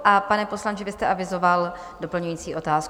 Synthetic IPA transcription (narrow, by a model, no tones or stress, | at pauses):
ʔapanɛpo̞slaɲt͡ʃɪvɪst̪ɛʔavɪzo̞val | do̞pl̩ɲujiːt͡siːʔo̞t̪aːsk